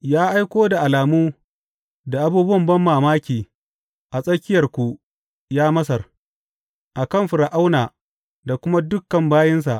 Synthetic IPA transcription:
jaː˦ʔa˦jkʷoː˦da˨ʔa˨laː˨muː˦ | da˨ʔa˨buː˦bʊ˦wɐ˨mbɐ˦mːaː˨maː˦kʲiː˨ | ʔa˨sʼɐ˦kʲɪ˦jɐ˨rkʷu˨ | jaː˦mɐ˦s̬ɐ˨r | ʔa˨kɐ˦˨mɸʊ˨ɾa˨ʔa˦wnaː˨ | da˨kʷʊ˦ma˦dʊ˦kːɐ˨mbaː˦jɐ˦ns̬a˨ʔ

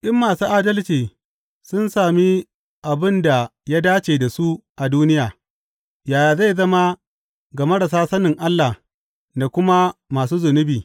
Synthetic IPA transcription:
ʔɪ˦mːaː˨suː˦ʔaː˦dɐ˦lt͡ʃiː˨ | sʊ˦nsaː˨mi˦ | ʔa˨bɪ˦nda˨ja˦daː˦t͡ʃeː˨da˨su˦ʔa˨duː˦nɪ˦jaː˨ | jaː˨jaː˨za˦˨zɐ˦ma˦ | ɡa˨mɐ˦ɽɐ˨s̬aː˦sɐ˦nɪ˨ŋʔa˦lːa˨ | na˨kʷʊ˦ma˦maː˨s̬uː˦zʊ˨nʊ˦biː˨

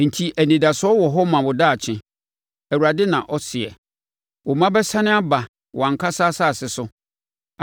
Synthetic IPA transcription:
n̩˨tʰi˦ʔæ˨nĩ˨da˨sʊ˦ɔ˦wɔ˨ɦɔ˦mã˨wʊ˨daː˦˨t͡ɕʰɪ̃˦ | æ˨wu˨ɾa˨dɪ˦nã˨ʔɔ˦sɪ˨ɛ̰˨ | wɔ˨mã˦bɛ˦sã˦nɪ̃˦a˦ba˨ | wʔɔ˨ã˨ŋ˨kʰa˦saː˦saː˦˨sɪ˨sʊ˦˨

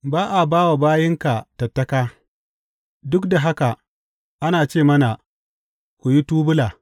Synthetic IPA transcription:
baː˦ʔa˨baː˦wa˨baː˦jɪ˦ŋka˨tɐ˨tːɐ˦kaː˦ | dʊ˦kda˨ɦa˦ka˨ | ʔa˦naː˨t͡ʃeː˦˨mɐ˦na˨ | kʷu˨ji˦tuː˦bʊ˦laː˨

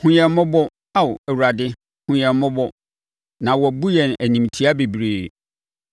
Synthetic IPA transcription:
hʊ̃˦ɲɛ̃˨˦mʊ̃˦bɔ˦ | a˦wæ˨wu˨ɾa˨dɪ˦ | hʊ̃˨ɲɛ̃˨˦mʊ̃˦bɔ˦ | nã˨wɔ˨bu˦jɛ˨n˨æ˨nĩ˨m˨tʰi˦a˦be˨bɾeː˨

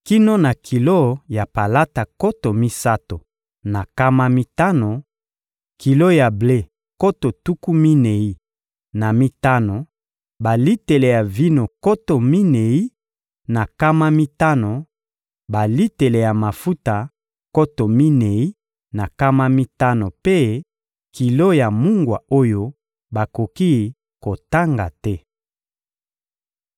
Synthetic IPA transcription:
ki˦no˦na˨kʰi˨lo˦ja˨pa˨la˦ta˨ko˦to˨mi˦sa˦to˨ | na˨ka˦ma˦mi˦ta˦no˨ | ki˨lo˦ja˨ble˦ | ko˦to˨tu˦ku˦mi˦ne˨i˦ | na˨mi˦ta˦no˨ | ba˨li˦te˨le˨ja˨vi˦no˨ko˦to˨mi˦ne˨i˦ | na˨ka˦ma˦mi˦ta˦no˨ | ba˨li˦te˨le˨ja˨ma˨fu˦ta˨ | ko˦to˨mi˦ne˨i˦ | na˨ka˦ma˦mi˦ta˦no˨pe˦ | kʰi˨lo˦ja˨mu˦ŋɡwa˨o˦jo˦ | ba˨ko˨ki˦ | ko˨ta˦ŋɡa̰˨tɛ˦

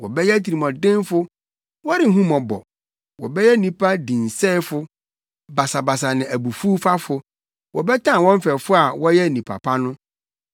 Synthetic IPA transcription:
wɔ˨bɛ˦jɛ˦tʰi˨i˨mɔ̃˨dɪ̃˦nfʊ˦ | wɔ˦ɾɪ˨˦ɦũ˦mɔ̃˨bɔ̰˨ | wɔ˨bɛ˦jɛ˦nĩ˨pʰa˦dĩ˨n̩˨sɛː˦fʊ˦ | ba˨sa˨ba˨s̬a˨nɪ̃˨ʔæ˨bu˨fu˦fa˦fʊ˨ | wʔɔ˨bɛ˦tʰã˦˨wɔ̃˦m˦fɛ˨fʊ˦a˨wɔ˦jɛ˦˨nĩ˨pʰa̰˨pʰa˦nʊ̃˦

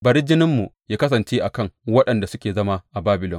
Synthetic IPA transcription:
bɐ˨ɾɪ˦d͡ʒɪ˦nɪ˦mːu˨jaː˦kɐ˦s̬ɐ˨nt͡ʃeː˦ʔa˨kɐ˦˨ŋwɐ˦ɗɐ˨nda˨sʊ˦kʲeː˨zɐ˦ma˦ʔa˨baː˦bɪ˨lɔ̰˨ŋ

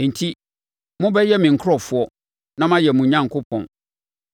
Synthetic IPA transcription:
n̩˨tʰi˦ | mʊ̃˦bɛ˦jɛ˦mɪ̃˨ŋ̩˨kʰɔ˨fʊ˨˦ɔ˦ | nã˦mã˦jɛ˨mũ˨ɲã˦ŋ˨kʰʊ˦pʰɔ̰̃˨n

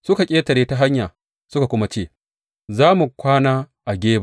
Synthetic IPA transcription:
sʊ˦ka˨kʲʼeː˦tɐ˨ɾeː˦ta˦ɦa˦ɲjaː˨ | sʊ˦ka˨kʷʊ˦ma˦t͡ʃeː˦˨ | zaː˦mu˨kʷaː˦naː˦ | ʔa˨ɡʲeː˦ba˨

